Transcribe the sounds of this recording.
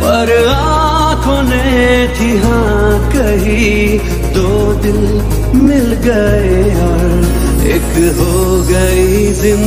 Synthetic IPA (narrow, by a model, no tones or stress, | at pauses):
pɐɾa | kʰonet̪ʰiɦã | kɐɦi | d̪oː | d̪ɪl | mɪlɡəeɔɾ | ḛkɦo | ɡɐi | zɪm